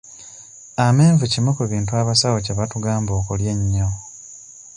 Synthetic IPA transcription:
ame̞ːɱvucimekuβiːntuaβasawoceβatuɡaːmbo̞ːkulje̞ɲːo

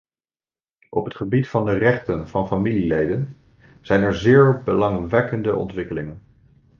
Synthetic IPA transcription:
ʔɔpɦətχəbitfɑndərɛχtənv̥ɑnfamililejdən | z̥ɛjnɛɹzɪːɹbəlɑŋʋɛkəndəʔɔ̰ntʋɪkəlɪŋən

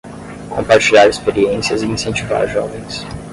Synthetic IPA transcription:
kʰõmpaɾt͡ʃiʎaɾespeɾiẽsiɐzɪĩsẽnt͡ʃiva̰ɾʒɔ̰vẽj̃s

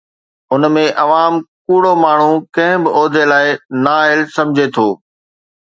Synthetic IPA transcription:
ʊnmẽʔɐʋaːmkuːɽomaːɳ̤ũkɐ̃ɦɪ̃bɪʔɔːd̪ʱelaːɪnaːɪlsɐ̃md͡ʑʱet̪ʰoː

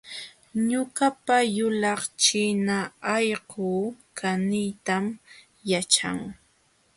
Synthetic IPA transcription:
ɲʊkapajʊlɑχt͡ʃɪnaɑjɢuːkʰanɪjt̪am | jat͡ʃa̰ŋ

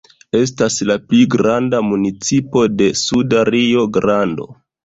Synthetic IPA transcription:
e̞s̬taslapliɡɾandamunit͡sipo̞de̞sudaɾio̞ɡɾando̞̰

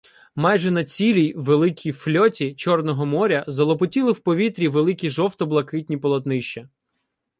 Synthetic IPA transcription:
majʒɛnɐt͡sʲilʲijʋelˠɪkʲʰijflʲɔtʲit͡ʃɔrnɔɦɔmɔɾʲɐzɐlˠɔpɔtʲilˠɪwpɔʋʲit̪ɾʲiʋelˠɪkʲiʒɔwt̪ɔblˠɐkɪtʲnʲipɔlˠɐt̪nɪʃt͡ʃɐ

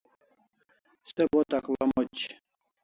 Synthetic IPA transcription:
sɛbɔt̪aklamɔt͡ʃ

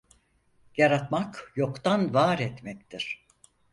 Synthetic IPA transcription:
jaɾat̪makjo̞kt̪anvaːɾɛt̪mɛct̪ʰiɾ̥

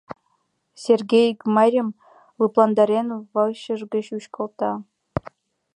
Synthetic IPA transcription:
sʲerɡʲejkmɑrʲɤ̆m | lˠɯplˠɑnd̪ɑɾʲenvɤ̆lˠɕɤ̆ʐɡʲɘ̆ɕuɕkɤ̆lˠt̪ɑ

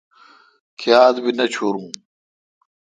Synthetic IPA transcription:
kʰiaːd̪binɐt͡ɕʰoːɾũː

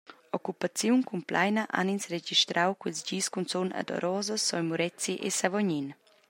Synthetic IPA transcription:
ɔkupat͡sjunkumplajnəʔa̰ninsred͡ʒiʃt̪ɾawkwilsd͡ʒiːskunt͡sona̰d̪ɔ̰ɾʔɔːzəsːɔjmuɾɛt͡siʔḛsavɔɲin

